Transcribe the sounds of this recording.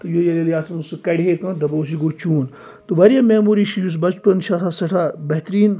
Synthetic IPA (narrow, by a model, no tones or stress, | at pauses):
t̪ujoːjɐlɐljaːt̪ʰunusɨkɐɽʲɦet̪ud̪ɐboːs̬iɡoːt͡ʃuːn | t̪uʋɐɾjaːmeːmuːɾiʃijus̬bɐt͡ʃpɐnʃat̪ʰasɐʈʰabɐɦt̪ɾiːn